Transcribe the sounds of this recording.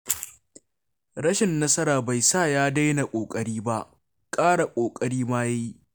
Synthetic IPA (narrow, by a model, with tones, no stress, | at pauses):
ɽɐ˦ʃɪ˨nːɐ˦sɐ˦ɾaː˨ba˨jsaː˦˨jaː˦da˦jna˨kʷʼoː˨kʼɐ˦ɽiː˦ba˦ʔ | kʼaː˦ɽa˨kʷʼoː˨kʼɐ˦ɽiː˦maː˦ja˦ji˦ʔ